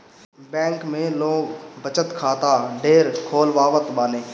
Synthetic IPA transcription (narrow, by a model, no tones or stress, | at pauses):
bɛ̃ːŋkmẽːloːɡbət͡ʃət̪kʰaːt̪aːɖeːɾkʰoːlʋaːʋət̪ɓaːneː